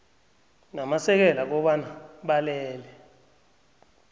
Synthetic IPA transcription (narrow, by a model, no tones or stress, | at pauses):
namasɛk̬ɛlak̬ɔɓanaɓalɛːlɛ